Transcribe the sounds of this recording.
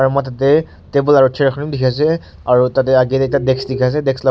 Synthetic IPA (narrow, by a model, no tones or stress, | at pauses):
aɹumɔjtatɛ | tebɔlaɹutʰɛɹxʰnimdikʰas̬ɛ | aɹutat̬ɛaɡitɛtadɛksdikʰas̬ɛdɛksla